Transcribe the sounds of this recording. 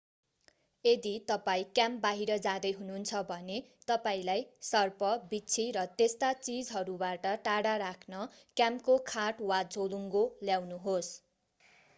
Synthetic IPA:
ed̪it̪ʌpaĩkjambaɦiɾʌd͡zad̪ʌjɦununt͡sʰʌbʱʌnet̪ʌpaĩlajsʌrpʌbit͡sʰiɾʌt̪est̪at͡sid͡zɦʌɾubaʈʌʈaɽaɾakʰnʌ | kjamkokʰaʈwad͡zʱoluŋɡoljawnuɦos

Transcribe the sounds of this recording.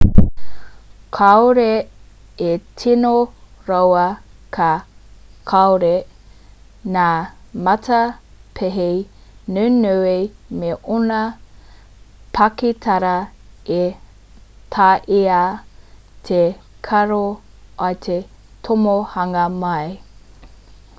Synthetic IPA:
kʰawɾe | etʰinoɾɐwɐkʰa | kʰawɾe | naːmɐtʰɐpʰeɦejnʉnuwejmeʔonɐ | pʰɐkitʰɐɾɐe | tʰaːʔia | tʰe | kʰɐɾo | ʔɐt̪ʰe | tʰomohɐŋɐmɐj

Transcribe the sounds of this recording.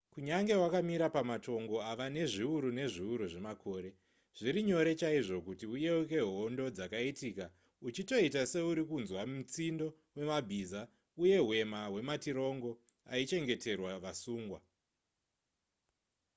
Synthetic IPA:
kuɲaŋɡe̞ɦwakamiɾapamato̞ŋɡo̞aʋane̞ʐiuɾune̞ʐiuɾuʐe̞makʰo̞ːɾe̞ | ʐ̥iɾiɲo̞ɾe̞t͡ʃaiʐo̞kutiujeuk̬e̞ɦondo̞d͡zakaitiːka | ut͡ʃito̞itase̞uɾikunzwamut͡sindo̞ | we̞mabʱiza | uje̞ɦwe̞maɦwe̞matiɾo̞ŋɡo̞ | ait͡ʃe̞ŋɡe̞tʰe̞rwaʋasuːŋɡwa

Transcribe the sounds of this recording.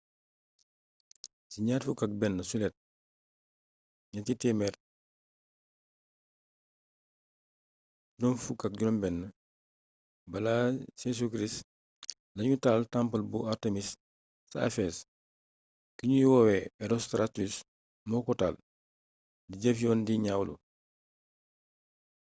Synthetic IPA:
siɲaːtfukak̚bɛnːɐsulɛt̚ | ɲɐtitemɛɾ | nɔmfukak̚ɟunɔmbɛnːɐ | bɐlases̬ukɾis | nɐɲutaltãmpɐlbuaɾtemis | sa̰ːfes | kiɲuwɔwɛɛɾostɾatus | mɔkɔtal | diɟefjɔːndiɲawlṵ

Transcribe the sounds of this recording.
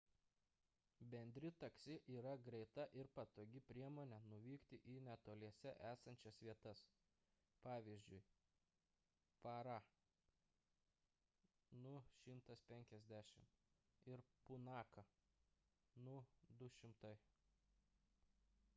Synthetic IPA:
bʲɛnʲd̪ʲɾʲɪt̪ɐksʲɪʔiːɾɐɡɾʲɛɪt̪ɐʔɪɾpɐt̪oːɡʲɪpʲɾʲiɛmoːnʲɛnʊʋʲiːkt̪ʲɪʔiːnʲɛt̪oːlʲiɛsʲɛʔæːsɐnʲt͡ʃʲɛsʋʲiɛt̪ɐs | pɑːʋʲiːzʲd͡ʒʲʊɪ | pɑɾɑ | nʊʃʲɪmt̪ɐspʲɛŋʲkʲɛzʲd̪ʲæːʃʲɪmɪɾpʊnɑːkɐ | nʊd̪ʊʃʲɪmt̪ɐɪ

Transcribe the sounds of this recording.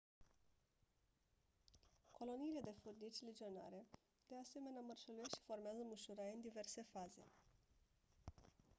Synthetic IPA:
ko̞lo̞niːle̞d̪e̞furd̪it͡ʃʲled͡ʒio̞na̰ɾe̞ | d̪̥e̞ase̞me̞namərʃəlueʃi̥fo̞rmeazəmɨʃuɾaɨnd̪ive̞rse̞faze̞̰

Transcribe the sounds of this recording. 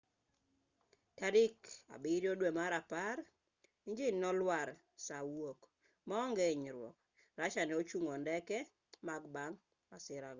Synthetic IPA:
taɾɪka̰bɪɾjodwemaɾapaɾ | iɲd͡ʒɪnɔlwaɾ | sawok | mɔŋɡeɲɾwɔ̰k̚ | ɾat͡ʃanɛot͡ʃuŋondɛkɛ | maɡbaŋ | masɪɾaɡɔ

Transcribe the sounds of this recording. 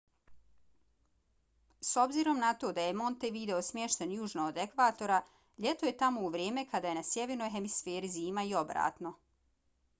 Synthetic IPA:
so̞bziːɾo̞mnat̪o̞ːd̪ajemo̞nt̪eʋid̪e̞osmjeʃt̪enjuːʒnod̪e̞kʋaːt̪o̞ɾa | ʎe̞t̪oje̞t̪amo̞uʋɾje̞ːme̞kad̪aːjenasjeʋeɾno̞jɦe̞misfe̞ːɾiziːmaio̞bɾa̰ːt̪no̞

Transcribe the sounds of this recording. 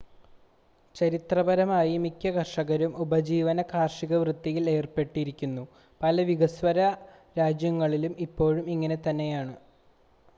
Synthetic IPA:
t͡ɕɐɾit̪rɐbɐɾɐmaːjimikʲːɐkɐrʂɐɣɐɾumubɐd͡ʑiːʋɐnɐkaːrʂiɣɐʋrɨt̪ːijileːrpe̞ʈːiɾikʲːunːu | pɐlɐʋiɡɐsʋɐɾɐ | ɾaːd͡ʑjɐŋːɐɭilumipːo̞ːɻumiŋːɐne̞t̪ɐnːe̞jaːɳɨ

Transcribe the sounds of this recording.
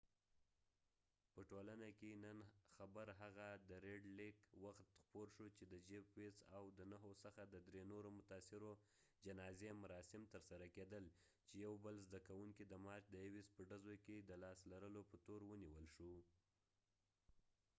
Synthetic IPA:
pəʈolanakenənxabəɾɦaɣad̪əɾeɖlɪkwaxt̪xpoɾʃot͡ʃed̪əd͡ʒebwesawd̪ənaɦosəxad̪əd̪ɾenoɾomʊt̪ɑsɪɾo | d͡ʒanɑzemʊɾɑsɪmt̪əɾsaɾaked̪əl | t͡ʃejawbəlzd̪akawuŋkid̪əmɑɾt͡ʃd̪əjawispəɖazoked̪əlɑslaɾəlopət̪oɾwəniwəlʃu

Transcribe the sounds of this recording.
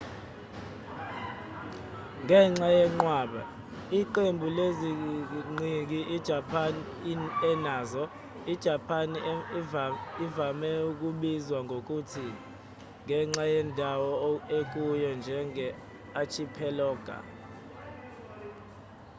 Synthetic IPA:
ŋɛŋ͡ǁajɛŋ͡ǃwaːɓa̰ | iǃembʱuleziŋ͡ǀik̬iʔid̥ʒ̥ʱapʰan | ɛnaːzɔ | id̥ʒ̥ʱapʰan | ivamɛuk̬ʼuɓizwaŋʱok̬ʼutʰi | ŋʱɛŋ͡ǁajɛndʱawɔek̬ujɔnd͡ʒʱɛŋɛ | at͡ʃʰipʰɛlɔːɡ̥ʱa̰

